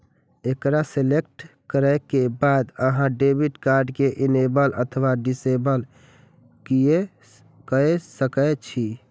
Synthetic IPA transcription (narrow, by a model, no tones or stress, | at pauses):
ekɾaselek̚ʈkəɾəkebad̪əɦãɖebiʈkaɾɖkeʔinebələt̪ʰəʋaɖisebəl | kije | kəsəkət͡ʃʰi